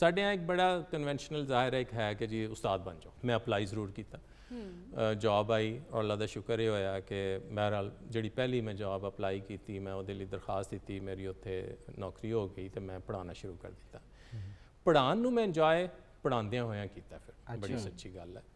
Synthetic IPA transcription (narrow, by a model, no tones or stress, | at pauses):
saːɖeãːɪk̚bəɽaːkənʋɛ̃ːnʃnəlzaːɦɪɾɛːɪkɦɛːked͡ʒiːʊst̪aːd̪̚bə̃nd͡ʒõːmɛ̃ːəplaːiːzəɾuːɾkiːt̪aː | d͡ʒaːbaːiːɔɾəlːaːd̪aːʃʊkəɾeːɦoːjaːkemɦɛɾaːld͡ʒeːɽiːpɛːliːmɛ̃ːd͡ʒaːbəplaːiːkiːt̪iːmɛ̃ːoːd̪eːləiːd̪əɾxaːst̪̚d̪ɪt̪iːmeːɾiːʊt̪ʰːeːnɔːkɾiːɦoːɡəiːt̪eːmɛ̃ːpəɽaːnaːʃʊɾuːkə̰ɾd̪ɪt̪ːãː | pəɽaːnːũːmɛ̃ːd͡ʒaːeː | pəɽãːnd̪ejãːɦoːjãːkiːt̪aːpʰɪɾbəɽiːsətːʃiːɡəlɛː